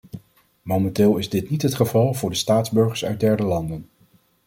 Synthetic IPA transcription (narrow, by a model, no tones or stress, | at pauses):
momɛntɪːlˠɪzdɪtnitɦətχəvɑlˠvʊːɹdəstaːdzbɵɹχəɹsœ̰ɥdɛɹdəlɑndən